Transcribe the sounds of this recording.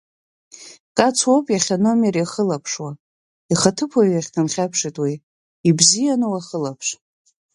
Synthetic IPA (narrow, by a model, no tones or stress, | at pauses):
kʼat͡sʰwopʼjaχʲono̞mjaɾiχəlapʰʂwa | iχatʰɨpʰaɥaχʲkʰɨnχʲapʰʂitʼwiː | bzijanɨwaχəlapʰʂ